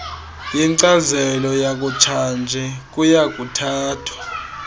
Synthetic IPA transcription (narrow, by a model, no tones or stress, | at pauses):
jiŋǀazɛlɔjak̬ʼut͡ʃʰand͡ʒʱɛk̬ʼujak̬ʼutʰaːtʰwḁ